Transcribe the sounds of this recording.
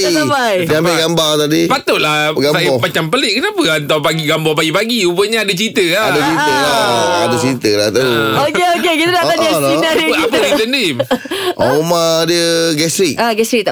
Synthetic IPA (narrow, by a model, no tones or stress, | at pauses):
abajambeɡambaŋt̪adipat̪ʊt̪ʔ̪̚laɡasajbɔmat͡ʃampəlɪʔ̚kənapəant̪awpaɡiɡambɔp̬aɡipaɡiubəɲaadət͡ʃit̪əadat͡ʃit̪əlaa̰dat͡ʃɾit̪əlat̪uokeokekit̪ədaaɲaiəəap̬əit̪əndimʔɔ̰umadiəɡɛstɾik̚aɡɛsɾik̚t̪a